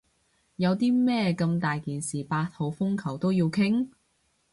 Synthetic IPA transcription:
jɐ˨˧wt̪iː˥mɛː˥kɐ˧mt̪aː˨jkiː˨nsiː˨paː˧t̚ho˨˧wfʊ˥ŋkʰɐ˨˩wt̪o˥wji˧wkʰɪ˥ŋ

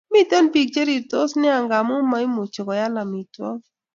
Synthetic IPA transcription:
mi˦t̪o˦npi˨k̚t͡ʃe˦ɾi˨t̪o˦snɪ˦a˨ŋɡa˨mʊ˦ma˦i˦mo˨t͡ʃo˨kɔ˨ja˦la˨mi˨twɔ̰˦

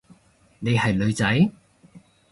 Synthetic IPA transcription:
ne˨˧jhɐ˨jlɵ˨˧ɥt͡sɐ˨˥j

